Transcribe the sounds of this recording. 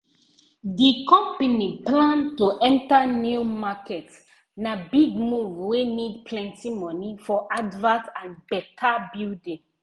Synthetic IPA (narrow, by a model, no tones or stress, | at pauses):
dikɔ̃mpaniplãntuʔɛ̃ntanjumakɛt | nabiɡ̚muvwenid̚pʰlɛ̃ntimɔnifɔʔadvatãnb̥ɛkʰabilde